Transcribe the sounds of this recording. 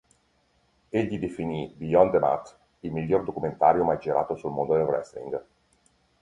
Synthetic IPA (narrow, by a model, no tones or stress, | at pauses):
eʎːid̪efinibiɔnd̪ema̰t̪ː | ilmiʎːord̪okument̪aːɾjomajd͡ʒiɾa̰ːt̪osulmond̪od̪elrɛ̰slḭŋɡ